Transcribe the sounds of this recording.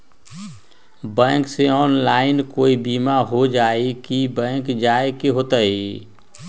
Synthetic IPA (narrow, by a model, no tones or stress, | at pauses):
bɛ̃ːkseɔːnlaːɪnkoːibiːmaɦod͡ʒaːekibɛ̃ːkd͡ʒaːekeɦoːt̪aɦi